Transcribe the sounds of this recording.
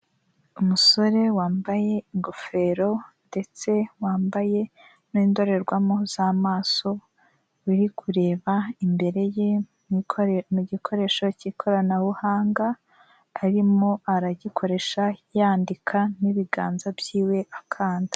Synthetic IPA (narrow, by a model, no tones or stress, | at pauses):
umuso̞ɾe̞waːmbaje̞iŋɡofe̞ɾo̞nde̞t͡se̞waːmbaje̞ | niːndo̞ɾe̞ɾɡwamoz̥amaːso̞ | wiɾikʰuɾe̞ːβaimbe̞ɾe̞je | mmuɟikʰo̞ɾe̞ːʃo̞cikʰo̞ɾanaβuhaːŋɡaː | ɾimo̞aɾaɟikʰo̞ɾe̞ʃajaːndikʰaniβiɡaːnzabjiːwe̞ʔakʰaːndi̥